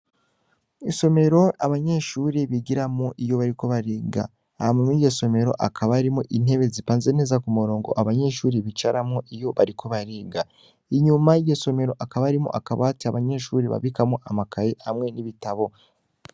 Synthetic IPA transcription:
iso̞me̞ɾo̞aβaɲe̞ʃuɾiβiɡiɾamoʔijo̞βaɾiko̞βaɾiːɡa̰ː | amunijɟeso̞me̞ɾo̞̰ʔakʰaβaɾimoʔin̥he̞βe̞zipaːnze̞ne̞ːzakumuɾo̞ːŋɡo̞̰ʔaβaɲe̞ʃuːɾiβit͡ʃaɾamŋoʔijo̞βaɾikʰo̞βaɾiːɡa | iɲumaijeso̞me̞ɾo̞ʔakaβaːɾimo̰ʔakaβatiaβaɲe̞ʃuɾiβa̰βikamoʔamakajehamŋe̞niβitaβo̞

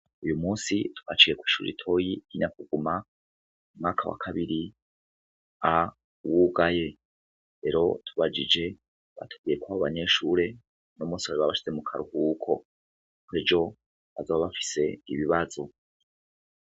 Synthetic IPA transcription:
ujumuːsitu̥kat͡ʃije̞kwiːʃṵːɾḭtʰo̞jiiɲakuɡ̥uma | umŋaːkawa̰kʰaβiɾi | a | wuɡaje̞ | ɾe̞ɾo̞tʰuβad͡ʒid͡ʒe̞ | βa̰tʰoɡijekwaβoβaɲe̞ːʃuːɾe̞ | nomuːsiwaɾiβaβaʃi̥ze̞mukʰaɾuhukʰo̞ | kuiːd͡ʒo̞ | azoβaβafi̥se̞iβiβazo̞

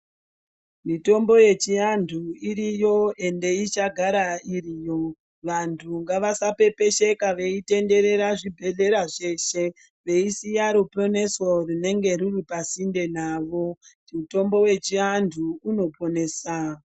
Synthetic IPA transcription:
mito̞mbo̞je̞t͡ʃiandʰʱuiɾijo̞e̞nde̞it͡ʃaɡʱaɾairijo̞ | ʋantʰuŋɡaʋasape̞pe̞ʃe̞kaʋe̞ite̞nde̞ɾe̞ɾaʐibʱe̞ɮe̞ɾaʐeʃe̞ | ʋe̞isijaɾopo̞ne̞sorine̞ŋɡe̞ɾiripasinde̞naːʋo̞ | ito̞mbo̞we̞t͡ʃiandʰuːno̞pʰo̞ne̞ːsa

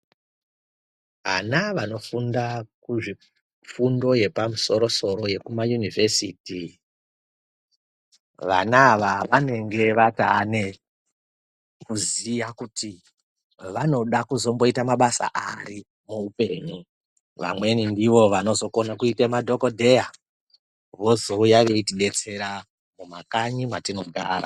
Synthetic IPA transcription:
ʋanaʋano̞fundakuʐi | p͡fundo̞je̞pamuso̞ɾo̞so̞ɾo̞je̞kumajunivesiːti | ʋa̰naːʋaʋane̞ŋɡe̞ʋatane̞ | kuzijakutʰi | ʋano̞ɗakuzo̞mbo̞itamaɓasa̰ʔari | moupe̞ːɲu | ʋa̰mwe̞nindiʋo̞ʋano̞zo̞ko̞nakuitemadʱo̞ko̞dʱe̞ja | ʋo̞zo̞ujaʋeitiɗe̞t͡se̞ɾa | mumakaɲimwatino̞ɡʱaːɾa̰

